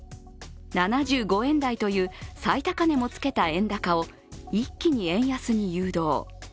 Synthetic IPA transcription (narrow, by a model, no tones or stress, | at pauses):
nanaʑɨːɡo̞ẽ̞nd̪ait̪o̞jɯ̟ːsait̪akane̞mo̞t͡sɨ̥ke̞t̪aẽ̞nd̪akao̞ | ikʲːiɲ̟iẽ̞ɰ̃jasɨɲ̟ijɯːd̪o̞̰ː